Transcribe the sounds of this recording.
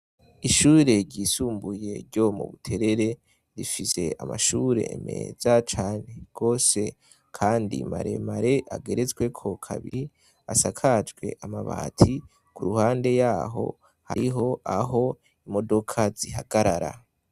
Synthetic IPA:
iʃuːɾe̞ɾɟiːsuːmbuje̞ɾɟo̞mṵβutʰe̞ɾe̞ɾe̞ | ɾifise̞̰a̰maʃuɾe̞̰ːme̞̰ːzat͡ʃaːne̞ɡ̥o̞ːse̞ | kʰaːndḭmaɾe̞̰maɾe̞ʔaɡe̞ɾe̞zɡwe̞kʰo̞kʰa̰βḭi | asakʰad͡ʒɡwe̞̰ʔamaβa̰ːtʰi | kʰuɾuhaːnde̞jaːɦo̞̰ | haɾiɦo̞aɦo̞ | imo̞do̞kʰaziɦaɡ̥aɾaɾa̰

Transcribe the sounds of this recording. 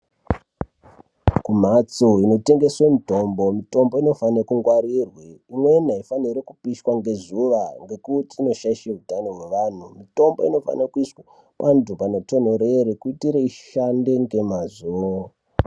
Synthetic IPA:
kum̤at͡soino̞te̞ŋɡe̞swemito̞mbo̞mito̞mbo̞ino̞fankuŋɡwaɾirweimwe̞naifaniɾekupiʃwaŋɡe̞zuʋaŋɡe̞kutiːno̞ʃaiʃeɦutanoɦwe̞ʋaːn̤umito̞mbo̞ino̞fa̰nakuiʂwa | pantupanoto̞n̤oɾeɾekuitiɾeiʃande̞ŋɡe̞mazuo

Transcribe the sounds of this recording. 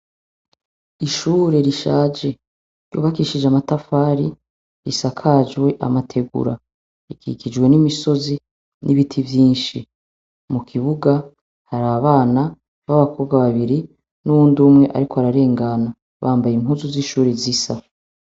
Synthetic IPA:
iʃuːɾe̞ɾiʃaːd͡ʒe̞ | ɾjṵːβakiʃid͡ʒamatafaːɾi | ɾisakʰad͡ʒwe̞ʔa̰matʰe̞ɡṵɾa | iɡḭɡid͡ʒwe̞nimiso̞zi | nʔiβitʰivjiːnʃi | mukʰiβuɡa | haɾaβaːna | βaβakʰo̞ːbɡwaβaβiɾi | nuβuːndumŋe̞ʔa̰ɾikoaɾaɾe̞ːŋɡana | βaːmbajimhuːzuziʃuːɾe̞zisa

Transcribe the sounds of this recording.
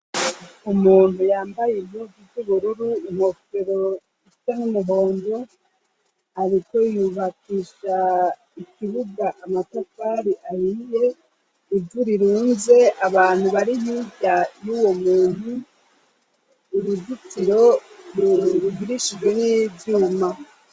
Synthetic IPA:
umuːn̥hujaːmbajemudivuβuɾuɾuim̥ho̞feɾo̞ | ifitamumuɦo̞ːndo̞ | aɾiko̞juβakiːʃa | ikiβuɡaʔamatafaɾiʔajije | ivuɾiɾuːnze̞aβaːn̥huβaɾijibɟajuːwo̞muːn̥hu | ɾudutiɾo̞uɾuɡiɾiʃid͡ʒwe̞nivjuːma

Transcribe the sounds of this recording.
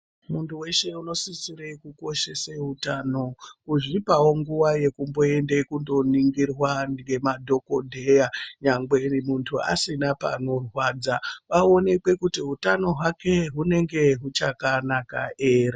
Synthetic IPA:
muntuwe̞ʃe̞uno̞sisirekuko̞ʃe̞seɦutano̞kuʐipawo̞ŋɡuwaje̞kumbo̞e̞nde̞kundo̞niŋɡirwanɡemadʱo̞ko̞dʱejaɲaŋɡe̞muntʰua̰sinapa̰no̞rwaːd͡zaʋao̞ne̞kwe̞kutiɦutano̞ɦwake̞ɦune̞ŋɡe̞ɦut͡ʃakanaka̰ʔeːre

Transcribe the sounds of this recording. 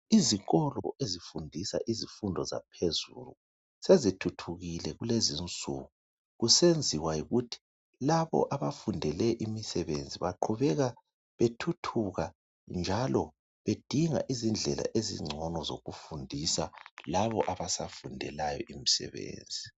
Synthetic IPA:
iziɣɔlɔʔezifundʱisa̰ʔizifundʱɔza̰pʰezulu | sezitʰutʰuɣilɛɣulezint͡sʼṵːɣu | ɣusend͡zʱiwajiɣutʰi̥ | laβɔ̰ʔaβafundʱɛlɛʔimisɛβend͡zʱiβaǃʰuβɛɣa | βetʰutʰuɣa | nd͡ʒʱalɔ | βed̥ʱiŋa̰ʔizind͡ɮʱɛla̰ʔezḭŋ͡ǀʱɔnɔzo̰ɣufundʱisa̰laβɔʔaβasafundʱɛlajɔ̰ʔimisɛ̰βḛːnd͡zʱi

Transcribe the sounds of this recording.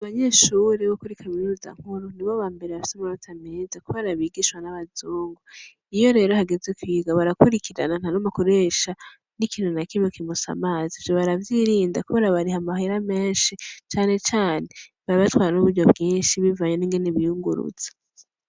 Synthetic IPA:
aβaɲe̞ʃuɾeβokuɾikʰaminuza̰ŋ̥huɾuniβoβaːmbe̞ɾeβafi̥samanotʰameːzakuβeɾaβiːɡiʃwanaβazuːŋɡo | ijo̞ɾe̞ːɾo̞haɡezekwiːɡaβaɾakuɾikʰiɾa̰nan̥hanomakoɾeʃa | nikiːnunakimokimusa̰maːzivjoβaɾavjiɾiːndakuβe̞ːɾaβaɾihamaɦiɾame̞ːnʃit͡ʃaːne̞t͡ʃaːneβaɾiβatwaːɾanuβuɾɟo̞bɡiːnʃiβivaɲoniːŋɡeneβijuŋɡṵɾṵz̥ḁ

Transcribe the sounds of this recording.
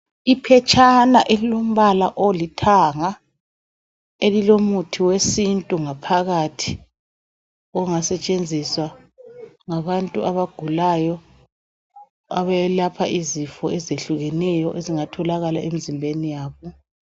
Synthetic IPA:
ipʰɛt͡ʃʼʰanaʔelilom̩βalaʔolitʰaŋa | elilomutʰiwesintʼuŋapʰaɣatʰi̥ | ɔŋasɛt͡ʃʼend͡zʱiswa | ŋaβantʼuaβaɡ̥ʱulajɔ | a̰βɛlapʰaʔizifɔɛzeɬuɣɛnɛjɔʔeziŋatʰɔlaɣalaʔemizimbʱenijaːβɔ

